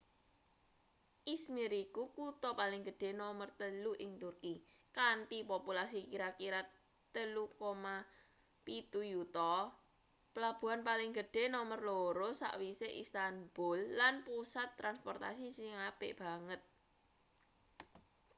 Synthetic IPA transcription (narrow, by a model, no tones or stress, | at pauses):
ʔismiɾikukut̪ɔpalɪŋɡə̤ɖ̥e̤nɔmərt̪əluʔɪŋt̪urkikaɳʈipopulas̬ikiɾakiɾa | t̪ːəlukoma | pit̪ujut̪ɔ | pəlab̥ṳɦanpalɪŋɡəɖ̥e̤nɔmərloɾosa̰ʔwiseʔist̪amb̥ʊlːanpusat̪ːɾanspɔrt̪a̰sisiŋab̥ɪʔb̥a̤ŋət̪̚